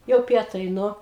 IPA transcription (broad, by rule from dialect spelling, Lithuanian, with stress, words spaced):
jɛʊ ˈpʲiɛtɐɪ ˈnʊ